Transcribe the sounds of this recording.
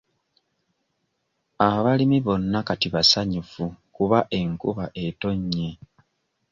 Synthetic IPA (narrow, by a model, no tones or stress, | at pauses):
aβalimiβo̞nːakatiβasaɲufukuβaʔe̞ŋkuβaʔe̞to̞ɲːe